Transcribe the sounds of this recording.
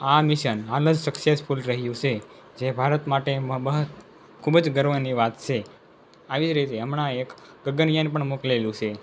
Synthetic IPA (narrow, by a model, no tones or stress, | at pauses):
amiʃənaləd͡ʒsəksespʰulɾəɦjũt͡ʃʰe | d͡ʒebʱaɾət̪maʈembəɦə | kʰubəd͡ʒɡəɾʋəniʋat̪t͡ʃʰe | aʋid͡ʒɾit̪eəmɳãek | ɡəɡənjənpəɳmoklelũt͡ʃʰe